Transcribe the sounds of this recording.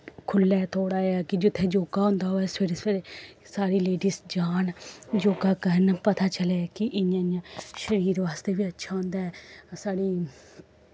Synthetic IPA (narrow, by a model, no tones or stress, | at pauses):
kʰʊlːɛːt̪ʰoːɽaːeaːkɪd͡ʒɪt̪ʰːeːd͡ʒoːɡaːõːnd̪aːɦoːɛːsɪɾseɾesaːɾiːleːɖiːsd͡ʒaːnd͡ʒoːɡaːkənpət̪aːt͡ʃəleːkɪʔɪãːãʃəɾiːɾʋaːst̪eːʋiːətːʃʰaːõːnd̪aːɛːsaːɽiː